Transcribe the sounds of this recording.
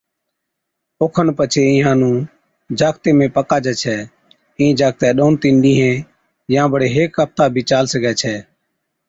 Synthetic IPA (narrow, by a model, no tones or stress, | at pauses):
oːkʰənpət͡ʃʰeːɪ̃ɦãːnũː | d͡ʒaːkt̪eːmẽːpəkaːd͡ʒɛːt͡ʃʰɛː | ĩːd͡ʒaːk̚t̪ɛːɗoːnt̪ɪ̃ɳɖĩːɦɛ̃ː | jãːbəɽeːɦeːkːəp̚t̪aːbʱiːt͡ʃaːlsəɡɛːt͡ʃʰɛː